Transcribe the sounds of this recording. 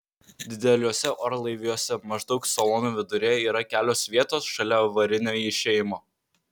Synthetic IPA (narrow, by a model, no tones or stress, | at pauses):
d̪ʲɪd̪ʲɛlʲoːsʲɛʔoɾlˠɐɪʋʲɪjoːsʲɛmɐʒd̪ɒʊksɐlˠoːnuːʋʲɪd̪ʊɾʲɛiːɾɐkʲæːlʲoːsʋʲiɛt̪oːsʃɐlʲɛʋɐɾʲɪnʲoːɪʃʲeːjɪmoː